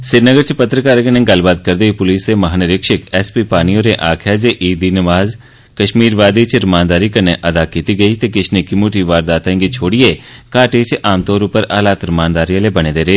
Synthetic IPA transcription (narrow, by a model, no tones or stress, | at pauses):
sɪɾnəɡəɾt͡ʃʰpət̪ɾəkaːɾknẽːɡɐlbaːt̪̚kəɾd̪eipʊliːsɾemɐɦaːnəɾɪkʃɪkɛːspiːpaːnijõːɾeʔaːkʰɛd͡ʒeʔiːd̪inəʋaːz | kəʃmiːɾʋaːd̪it͡ʃʰɾɪmãːnd̪aːɾikəɾneʔɐd̪aːkiːt̪iɡəit̪eːkɪʃʰnekimoːʈiʋaːɾd̪aːt̪aẽŋɡit͡ʃʰoːɽiekaːʈeːt͡ʃʰʔaːmt̪ɔːɾʊpəɾaːlaːt̪ɾɪmãːnd̪aːɾijãlebɐñeːd̪eːɾeː